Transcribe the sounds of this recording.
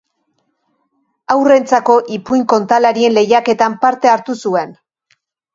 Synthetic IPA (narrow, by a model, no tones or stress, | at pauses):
awre̞nt͡sako̞ʔipujŋko̞nt̪alaɾie̞nle̞jake̞t̪ampaɾt̪e̞aɾt̪usue̞n